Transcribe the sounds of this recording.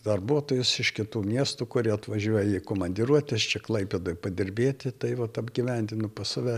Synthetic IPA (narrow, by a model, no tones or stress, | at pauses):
d̪ɐrbuɔt̪oːjʊsɪʃkʲɪt̪uːmʲiɛst̪uːkʊɾʲiɛɐt̪ʋɐʒʲuɔjɛikoːmɐnʲdʲɪɾuɔt̪ʲɛst͡ʃʲɛklˠɐɪpʲeːd̪ojpɐd̪ʲɪrʲbʲeːt̪ʲɪt̪ɐɪʋɐt̪ɐbʲɡʲiʋʲɛnʲd̪ʲɪnʊpɐsɐʋʲɛ